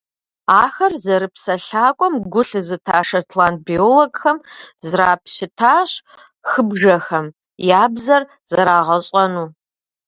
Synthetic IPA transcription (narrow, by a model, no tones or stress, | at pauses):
aːxɐrzɐɾɨpsɐɬaːkʷʼɔmɡʷʊɬɨzɨtʰaːʂɐtʰlaːnt̚bioːloɡxɐmzraːpʰɕɪtʰaːɕ | xɨbʒɐxɐm | jaːbzɐr | z̥ɐɾaːʁɐɕʼɐnuː